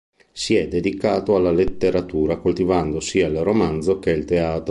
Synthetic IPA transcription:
siɛd̪ːed̪ikaːt̪oalːalet̪ːeɾat̪uːɾakolt̪ivand̪osiːailromand̪zok̟eilt̪eaːt̪ɾ

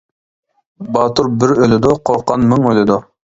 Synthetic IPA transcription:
bɑːt̪ʊɾbɪɾølɪd̪ʊqʰoqːɑnmyŋølɪd̪ʊ

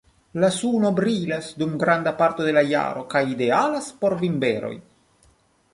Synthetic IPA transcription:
lasuno̞bɾilasdumɡɾandapaɾto̞de̞laja̰ɾo̞kajide̞alaspo̞ɾvimbe̞ɾo̞̰j

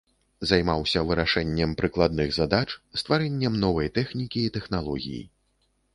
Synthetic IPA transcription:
zajmawsʲɐvɨɾaʂɛnʲːɛmpɾɨklˠad̪̚nɨɣzad̪at͡ʂst̪vaɾɛnʲːɛmnɔvɐjt̪ɛxnʲikʲiːt̪ɛxnalˠɔɣʲḭjḭ

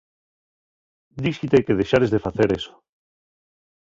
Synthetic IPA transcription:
d̪iʃit̪ekeð̞eʃaɾezðefaθeɾeso̥

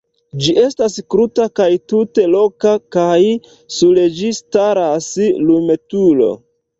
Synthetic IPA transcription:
d͡ʒiʔe̞staskɾutakajtute̞lo̞kakaj | suled͡ʒistaɾaslume̞tulo̞̰

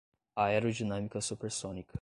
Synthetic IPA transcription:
aeɾud͡ʒinamikəsupɛɾsɔnik

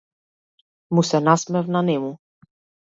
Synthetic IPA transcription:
musɛnasmɛvnanemu

